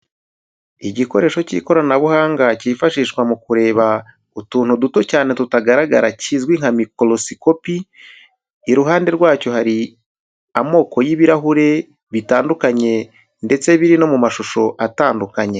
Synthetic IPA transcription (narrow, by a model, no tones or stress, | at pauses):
iɟiko̞ɾe̞ːʃo̞cḭːko̞ɾanaβuhaːŋɡaciːfaʃiːʃkwamukuɾe̞ːβa | utuːnhuduto̞caːne̞tutaɡaɾaɡa̰ɾacizɡwiŋ̥hamikolo̞siko̞piː | ɾuɦaːnde̞ɾɡwaːco̞haɾi | amo̞ːko̞jiβiɾaɦuɾe̞ | βitaːndukaɲe̞ | nde̞t͡se̞βiɾino̞mumaʃuʃo̞ʔataːndukaɲe̞